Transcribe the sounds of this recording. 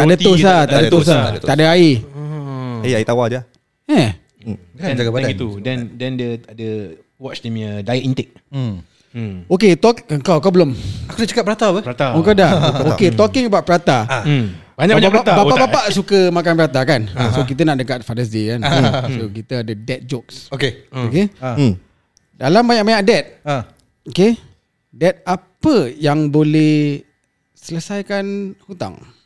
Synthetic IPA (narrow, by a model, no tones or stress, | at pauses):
t̪adət̪osat̪adət̪os̬at̪adəai | aiait̪awad͡ʒ | ɛ | d͡ʒaɡaait̪udɛndɛndəadə | wɔt͡ʃtamədajʔint̪ɛk̚ | oket̪ɔkəŋkawkawbəlomakudat͡ʃakap̚bəɾat̪abət̪aəŋkawdaoket̪ɔkɪŋəbawʔ̚pəɾat̪a | baɲaɲaabapaʔbapaʔsukəmakanpəɾat̪akansokit̪ənaʔ̚dəkat̪̚fadəs̬dikansokit̪əadədɛt̪̚d͡ʒɔk̚sokeoke | dalamːbaɲaʔbmaɲak̚dɛt̪̚ | oke | dɛt̪̚apəjaŋbolɛh | sələsajkanhut̪a̰ŋ